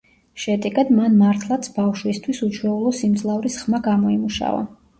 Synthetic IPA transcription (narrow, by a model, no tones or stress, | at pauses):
ʃɛd̪ɛɡad̪manmaɾt̪ʰlˠat̪sʰbafʃwist̪ʰwisut͡ʃʰwɛulˠɔsimd̪zlˠavɾisχmaɡamɔimuʃa̰va̰